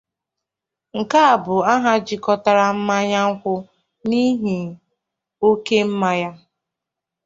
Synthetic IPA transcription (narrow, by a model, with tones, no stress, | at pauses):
ŋ̩˨ka˦a˨bʊ˨a˦ɦa˦d͡ʒi˨kɔ˦ta˨ɾa˨m̩˦ma˦ɲa˦ŋ̩˦kʷʊ˦ | ni˦ɦi˨ | o˦ke˦m̩˦ma˦ja˦